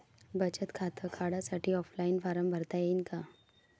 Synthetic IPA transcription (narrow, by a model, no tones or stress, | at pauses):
bɐt͡ʃət̪kʰaːt̪əkʰaːɽasaʈʰiɔːfʰlaːɪnfaːɾəmbʱɐɾt̪aɦɛɪnka